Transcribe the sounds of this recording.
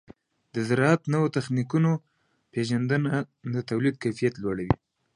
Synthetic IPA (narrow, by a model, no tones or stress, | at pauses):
d̪əzɪɾɑat̪nəwot̪axnikuno | peʒand̪ənad̪ət̪awlid̪̚kajfijat̪lwaɽawḭ